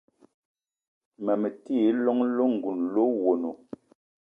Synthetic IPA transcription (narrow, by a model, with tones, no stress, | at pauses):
mɛ˨mɛ˨ti˦˨˦lɔ˦ŋ˦lo˦ŋ̩˨ɡu˨nlo˦wo˨no˨